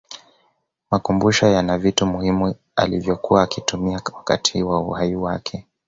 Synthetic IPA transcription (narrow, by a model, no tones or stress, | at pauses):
makumbuʃɔjanavitumuhimu | a̰livjɔkuwaːkitumiawaka̰tʰiwauhajiwakʰɛ